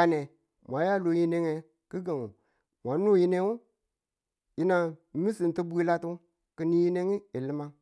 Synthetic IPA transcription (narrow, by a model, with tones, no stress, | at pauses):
a˨ne˨ | mʷ˨a˨˦ja˦lo˨˦ji˦ne˦ŋe˨ | ki˦ɡe˨ŋu˨ | mʷa˨˦nu˦ji˦ne˦ŋu˦ | ji˦na˨˦nu˦si˨n˨ti˦bu˦i˦la˦tu˦ | ki˨ni˦ji˦ne˦ŋi˦i˨li˦ma˦